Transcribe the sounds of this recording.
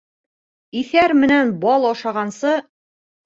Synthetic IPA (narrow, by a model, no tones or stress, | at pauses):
iθæɾmɘ̆nænbɑlˠɑʃɑʁɑnsɤ